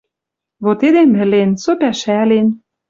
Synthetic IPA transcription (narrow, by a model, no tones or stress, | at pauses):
βot̪ed̪emɘ̆lensopæʃælen